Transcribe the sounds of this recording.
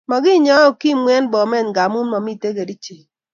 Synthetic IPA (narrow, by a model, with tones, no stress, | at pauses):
mɔ˨ɡɪ˦ɲɔ˦ɔ˦ki˦mwɛ˦nbɔ˨mɛ˦˨nɡa˨mu˦nmɔ˨mi˦˨te˦ɡe˨di˦t͡ʃe˨